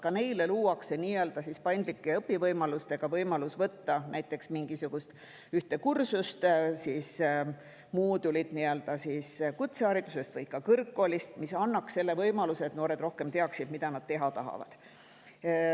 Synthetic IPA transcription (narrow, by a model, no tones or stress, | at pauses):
kɑne̞jle̞luːwɑkse̞niːeld̪ɑsispɑjnd̪likːeɤpːivɤjmɑlust̪e̞ɡ̥ɑvɤjmɑlusvɤt̪ːɑnæjt̪ːˑe̞ksmiŋɡ̥isuɡ̥ust̪ | yht̪e̞kursust̪sis | muːd̪ulid̪̥niø̞ld̪̥ɑsiskut̪seɑːɾit̪ːˑuse̞st̪vɤjkɑkɤrkːˑolist̪misɑnːɑksse̞lːe̞vɤjmɑluseːt̪no̞ːɾe̞d̪ro̞hke̞mt̪e̞ɑksid̪mid̪ɑnɑd̥̪̚t̪e̞ɦɑt̪ɑɦɑ̰vɑ̰d̪̥